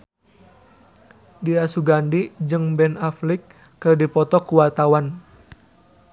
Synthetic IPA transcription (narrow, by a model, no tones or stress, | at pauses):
diasuɡandid͡ʒɨŋbɛnaflɪkː | ɨrdipɔt̪ɔkuwat̪awan